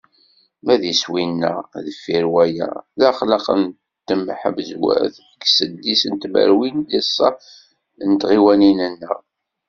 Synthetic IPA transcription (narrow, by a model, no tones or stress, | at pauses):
mæðiswinːə̰ðəfːiɾwæjæ̰ðæχləqə̰n | t̪ːəmħə̰vzwæ̰θ | əkːsəd̪ːisənt̪mə̰ɾwinlisˤːɑ | nt̪ʁiwæninənːəʁ